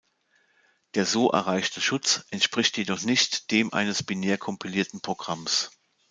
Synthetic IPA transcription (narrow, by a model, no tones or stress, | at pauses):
d̥eːɐzoːʔɛ̰ɐʁ̞aɪçtʰəʃʊt͡sʔɛntʃpʁ̥ɪçtjedɔχnɪçtd̥eːmʔa̰ɪnəsb̥ineːɐkʰɔmpiliːɐtn̩pʁ̥oɡ̥ʁams